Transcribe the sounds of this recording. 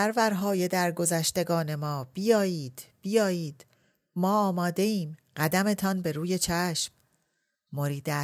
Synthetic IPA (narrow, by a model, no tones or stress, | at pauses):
æɾvæɾɦɒːje̞d̪æɾɡo̞zæʃt̪e̞ɡɒːne̞mɒːb̥ijɒːjiːd̪̥b̥ijɒːjiːd̪̥ | mɒːɒːmɒːd̪e̞iːmɢæd̪æme̞t̪ʰɒːnbe̞ɾuːje̞t͡ʃʰæʃmː | oɾiːd̪æ